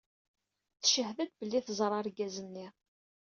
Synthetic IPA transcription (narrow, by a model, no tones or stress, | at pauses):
θəʃəhðæd̪bəlːiθzˤɾˤɑɾɡæzənːi